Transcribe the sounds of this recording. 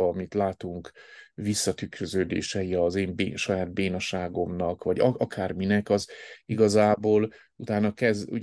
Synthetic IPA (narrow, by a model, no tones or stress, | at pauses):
mit̪laːt̪uŋkvisːɒt̪ykɾøzøːd̪ḛːʃɛiɒzeːmbḛːʃɒjaːd̪̚beːnɒʃaːɡo̞mnɒkʋɒɟɒɒkʰaːrminɛkɒziɡɒzaːboːl | ut̪aːnːɒkɛzṵ